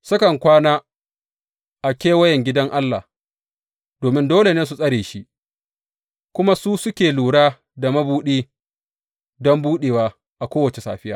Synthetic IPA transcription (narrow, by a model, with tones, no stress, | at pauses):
sɐ˦kɐ˨ŋkʷaː˦naː˦ | ʔa˨kʲeː˦wɐ˦jɛ˨ŋɡʲɪ˦dɐ˦ŋʔa˦lːa̰˨h | d̥oː˨mɪ˦ndoː˦le˨neː˦s̬u˨sʼɐ˦ɽeː˨ʃi˦ | kʷʊ˦ma˦suː˦sʊ˦kʲeː˨luː˨ɽaː˦ | da˨mɐ˦buː˦ɗiː˦ | dɔ˦mbuː˦ɗeː˨waː˦ | ʔa˨kʷoː˦wɐ˨t͡ʃe˨sa̰ː˨ɸɪ˦jaː˦